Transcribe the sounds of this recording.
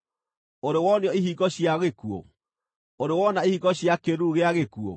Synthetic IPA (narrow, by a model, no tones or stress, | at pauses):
oɾewɔneɔiɦiɣɔɕiaɣekuo̰ | oɾewɔnaihiɣɔɕjakeɾuɣeaɣekuo̰